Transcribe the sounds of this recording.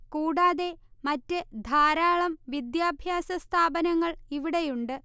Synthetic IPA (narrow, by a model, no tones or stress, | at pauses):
kuːɽaːðe̞mɐtːɨd̪ʱaːɾaːɭɐmʋid̪jaːbʱjaːsɐst̪ʰaːbɐnɐŋːɐɭiʋiɽe̞juɳɖɨ